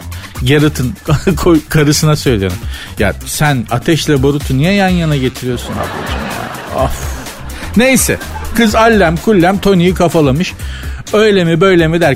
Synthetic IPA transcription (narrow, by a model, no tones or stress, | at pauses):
jaɾɯt̪ʰɯnkʰojkʰaɾɯsɯnasø̞jlʲijḛɾm | ja̰sænat̪ʰɛʃlʲɛboɾut̪ʰunijɛjanjanaɟe̞t̪ʰiɾijo̞ɾsunha̰b̪ḭd͡ʒɯ̰mja̰ː | af | ne̞jsɛ̰ | kʰɯzalʲːæmkʰulʲːæmt̪ʰo̞nijikʰafalˠamɯʃ | øjlʲemibø̞jlʲemid̪æɾ